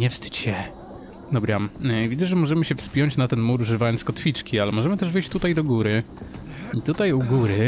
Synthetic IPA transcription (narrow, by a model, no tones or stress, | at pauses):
ɲɛfst̪ɘ̥t͡ɕɕɛ | d̪ɔbɾamvʲid̪zɛʐɛmɔʐɛmɘɕɛfspʲjɔɲt͡ɕnat̪ɛnmuɾuʐɘvajɔnt̪skɔt̪fʲit͡ʂkʲialɛmɔʐɛmɘt̪ɛʐvɘjɕt͡ɕt̪ut̪ajd̪ɔɡuɾɘ | it̪ut̪ajuɡuɾɘ